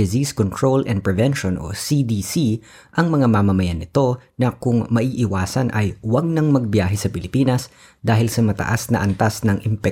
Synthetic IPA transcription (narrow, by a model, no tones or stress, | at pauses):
ɪziskont̪ɹolʔɛn̚pɹɛvɛnʃonʔo̰sid̪iːsi | ʔɐŋmɐŋamamɐmɐjanːɪt̪o̞nɐkʊŋmɐʔiːʔɪwaːsɐnʔɐ̰jwɐɡ̚nɐŋmɐɡ̚bjaːɦɛsɐpɪlɪpiːnɐs | d̪aːɦɪlsɐmɐt̪ɐ̰ʔasnɐʔɐnt̪asnɐŋʔɪmpɛ